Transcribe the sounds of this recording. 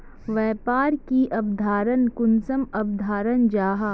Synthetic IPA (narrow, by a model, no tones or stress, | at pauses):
ʋɛːpaːɾkiʔɐbd̪ʱaːɾənkʊnsəmɐb̚d̪ʱaːɾənd͡ʒaːɦa